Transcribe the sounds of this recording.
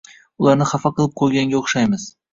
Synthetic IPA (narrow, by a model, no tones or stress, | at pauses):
ʊlˠaɾnɪχɑfɑqʰɨlˠɪp̚qʰojɡʲaŋɡʲaoχʃajmɪz̥